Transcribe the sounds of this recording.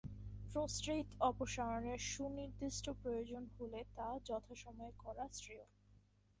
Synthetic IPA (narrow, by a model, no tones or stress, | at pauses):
pɾosʈɾit̪ɔpoʃaɾoneɾʃuniɾd̪iʃʈʰopɾojod͡ʑonhulet̪ad͡ʑɔt̪ʰaʃɔmɔekɔɾasɾio